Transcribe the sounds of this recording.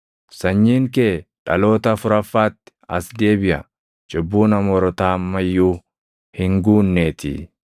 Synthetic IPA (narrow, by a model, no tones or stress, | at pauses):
sɐɲːiːŋkeːᶑɐlo̞ːt̪ɐfʊɾɐfːaːt̪ːɪ̥ɐ̰sd̪e̞ːbɪʔɐ̰ | t͡ʃʼɪbːuːnɐmɔɾɔt̪aːmːɐjːuː | hɪŋɡuːnːeːt̪ɪ̰